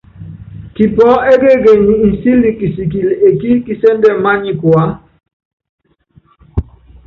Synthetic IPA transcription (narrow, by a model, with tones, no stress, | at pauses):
ki˨pɔ˦ɛ˦ɡe˦ɡe˨ɲi˨i˨si˦li˨ki˨si˨ki˨le˨ki˦ki˦sɛ˦ndɛ˨ma˦ɲi˨kwa˦